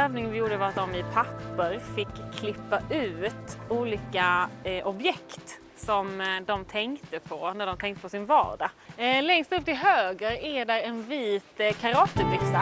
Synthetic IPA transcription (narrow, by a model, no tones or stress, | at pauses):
øːvnɪŋənvɪjuːɖəvɑat̪̚d̪ɔmɪpʰapːəɾfɪkʰːlɪpːaʔʉ̟ːt̪uːliːkaʔɔbjɛkt̪ | sɔmd̪ɔmt̪ʰɛŋkt̪əpʰɔnæɖɔmt̪ʰɛŋkt̪əpʰɔsɪnvɑ̰ːɖalɛŋst̪ɵp̚ːt̪ʰɪlɦøːɡəɾæɖæɾɛnviːt̪kʰaɾɑːt̪ːəɾbʏksa